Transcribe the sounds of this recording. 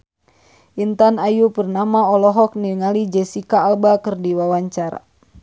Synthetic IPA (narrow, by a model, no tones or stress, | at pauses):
ʔint̪anajupərnamaɔlɔɦɔk̚niŋalid͡ʒɛsikaːlbakɨrdiwawaɲt͡ʃaɾa̰